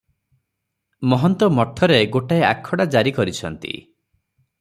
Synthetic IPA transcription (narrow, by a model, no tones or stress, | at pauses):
mɔɦɔnt̪ɔmɔʈʰːɔɾeɡoʈaeakʰːɔɽad͡ʒaɾikɔɾit͡ʃʰɔnt̪ḭ